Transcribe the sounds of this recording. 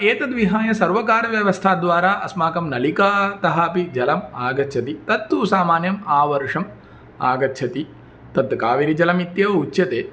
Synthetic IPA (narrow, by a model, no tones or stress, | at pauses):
eːt̪ɐd̪ʋiɦaːjɐsɐɾʋɐkaːɾɐʋjɐʋɐst̪ʰaːd̪ʋaːɾaːʔɐsmaːkɐmnɐlikaːt̪ɐɦaːpid͡ʒɐlɐmaːɡɐtːt͡ʃʰɐt̪it̪ɐt̪ːusaːmaːnjɐmaːʋɐɾʂɐm | a̰ːɡɐtːʃʰɐt̪i | t̪ɐt̪kaːʋiɾid͡ʒɐlɐmit̪jɐʋɐut͡ʃːjɐt̪eː